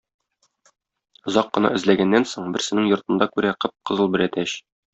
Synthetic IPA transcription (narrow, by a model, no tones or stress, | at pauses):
zɑqːɤ̆nɑ̰ɘ̆zlæɡænːænsoɴbɘ̆ɾsɘ̆nɘŋjŏɾt̪ɤ̆nd̪ɑkʉɾæqɤp̚qɤ̆zɤlˠbɘ̆ɾæt̪æɕ